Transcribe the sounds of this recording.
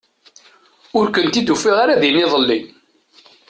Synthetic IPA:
ʊɾkənt̪id̪ufiʁaɾaðinɪðˤəlːi

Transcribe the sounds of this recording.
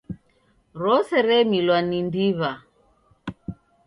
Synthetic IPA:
ɾɔsɛɾɛmilwanindiβa

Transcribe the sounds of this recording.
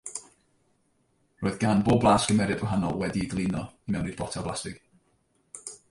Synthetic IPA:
roːɨðɡanboːblˠaːskəmɛɾɨbəɦanɔ̰lˠwɛdiɡlˠinɔmɛwnɪdbɔtʰɛblastɪɡ̥

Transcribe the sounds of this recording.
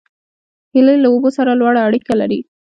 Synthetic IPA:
hɪləjlaobosaɾalwɑɽaːɽikalaɾi

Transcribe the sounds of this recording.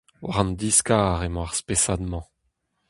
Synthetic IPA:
wa̰ʁɑ̃nd̪iskaːʁemɔ̃aʁspesad̪mɑ̃

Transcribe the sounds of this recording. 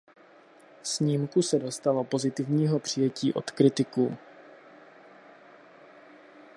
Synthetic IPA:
sɲiːmkusɛdo̞st̪alo̞po̞zɪt̪ɪvɲiːɦo̞pr̝̥ɪjɛciːʔo̞̰t̪kɾɪt̪ɪkuː

